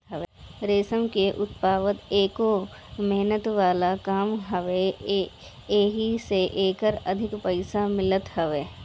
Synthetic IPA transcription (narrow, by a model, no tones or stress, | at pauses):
ɦɐʋeɾeːsəmkeʔʊt̪paːʋət̪eːko | mɛɦnət̪ʋaːlakaːmɦɐʋe | eːɦiseʔeːkəɾɐd̪ʱɪkpɐɪsamɪlət̪ɦɐʋeː